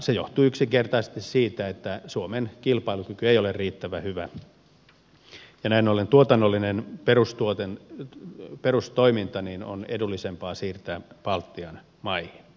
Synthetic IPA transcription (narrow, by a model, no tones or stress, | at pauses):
sejo̰ht̪uyksiŋkert̪ɑise̥st̪issiːt̪æet̪ːæsuomenkilpɑilukykyeijolerriːt̪ːæʋæhyʋæ | jɑnæinolent̪uot̪ɑnːolːinenperust̪uot̪en | perust̪oimint̪ɑnino̰nḛdulːisempɑːsiːrt̪æpɑlt̪ːiɑn | mɑihi̥n